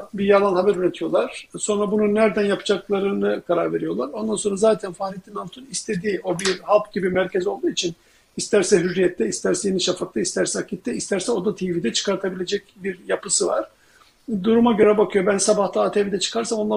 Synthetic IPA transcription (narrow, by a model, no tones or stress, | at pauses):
bijalˠanhabæɾønet̪ʰijo̞lˠaɾ̥so̞nɾabununːæɾd̪ænjapʰɯ̥d͡ʒaklˠaɾɯnɯkʰaɾaɾve̞ɾijo̞lˠaɾo̞nd̪anso̞nɾazaːt̪ʰænfaːlʲijɛt̪ʰːinavt̪ʰunist̪ʰe̞d̪iːo̞biɾhalˠpɟ̥ibimæɾcʰɛzo̞lˠd̪uːit͡ʃʰin | ist̪ʰæɾsɛɦyɾːijɛt̪ʰːɛist̪ʰæɾsɛjeniʃafak̚t̪ʰaist̪ʰæɾsɛacʰit̪ʰːɛist̪ʰæɾsɛo̞d̪at̪ʰivid̪ɛt͡ʃʰɯ̥kʰaɾt̪ʰabilʲed͡ʒɛcbiɾjapɯsɯva̰ɾ̥ | d̪uɾumaɟø̞ɾɛbakʰɯjo̞bænsabaht̪ʰaaːt̪ʰevid̪ɛt͡ʃʰɯ̥kʰaɾsamo̞nˠa